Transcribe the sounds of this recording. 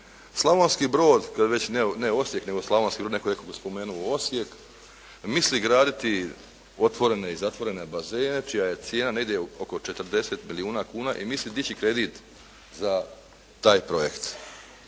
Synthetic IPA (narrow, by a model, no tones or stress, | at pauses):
slˠaʋonskibɾo̞ːd̪kad̪ʋe̞t͡ɕneneo̞sje̞kne̞ɡo̞slˠaʋonskibɾod̪nekoenekoɡspo̞me̞ːnuoo̞sje̞k | misliɡɾaːd̪it̪i | o̞t̪ʋo̞ɾe̞ne̞izat̪ʋo̞ɾe̞ne̞baze̞ːne̞t͡ʃijaje̞t̪sjeːnaneɡd̪jeoko̞t͡ʃe̞t̪ər̩d̪e̞set̪miliuːnakuːnaʔimislid̪it͡ɕikɾe̞d̪it̪ | za | t̪aːjpɾo̞jekt̪